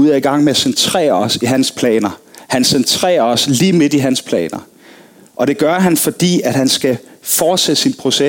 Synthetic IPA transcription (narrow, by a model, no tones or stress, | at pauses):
uð̰ˠæiɡ̥ɑ̈ŋ̰meæsent͡sʰʁɛ̰ːɐɒ̽siɦænspʰlɛ̰ːnɐhænsent͡sʰʁɛ̰ːɐɒ̽sliːme̝d̥iɦænspʰlɛ̰ːnɐ | ʔɒ̽ɾ̥e̝ɡ̥ɶɐɦænfɒ̽d̥ḭːæd̥ɦænsɡ̥æfɒːd̥sḛsinpʰʁo̝se